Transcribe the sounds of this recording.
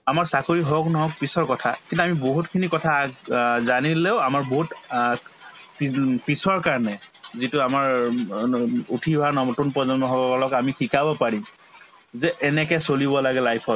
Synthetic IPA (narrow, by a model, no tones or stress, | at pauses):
amaɹsakoɹiɦɔknɔɦɔk̚pisɔɹkɔtʰakintuamiboɦutkʰinikɔtʰazanileʊamaɹboɦut | ppisɔɹkaɹɔnɛzituamaɹ | utʰiɦanɔtunpɔzɔnmɔɦɔkkɔlɔkamixikabɔpaɹim | zɛʔɛnɛkɛsolibɔlaɡɛlajpʰɔt